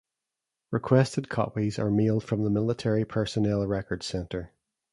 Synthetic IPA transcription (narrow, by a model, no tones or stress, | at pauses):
ɹɪkʰw̥ɛstɪd̚kʰɔ̰pizə̰˞melˠd̥fɹə̃mðəmɪlˠɪtʰɛɹipʰɜ˞sənɛlˠɹɛkə˞d̥sɛ̃ntə˞